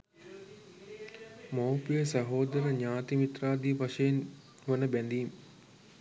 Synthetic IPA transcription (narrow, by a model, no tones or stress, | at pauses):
mowpijəsɐɦoːd̪əɾəɲaːt̪imit̪raːd̪iʋaʂəjen | ʋənəbænd̪iːm